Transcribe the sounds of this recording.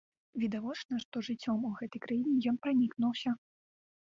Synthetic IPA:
vʲid̪avɔt͡ʂnɐʂt̪ɔʐɨt͡sʲːɔmuɣɛt̪ɐjkɾajinʲɛjɔnpɾanʲiknuwsʲɐ

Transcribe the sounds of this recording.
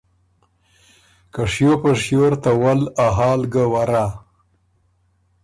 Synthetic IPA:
kaʂjopəʂjoɾt̪awalaɦɑːlɡəwaɾa

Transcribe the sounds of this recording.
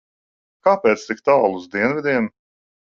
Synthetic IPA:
kaːpɛːt̪st̪ikt̪aːlˠuzd̪iɛnvid̪ʲiɛm

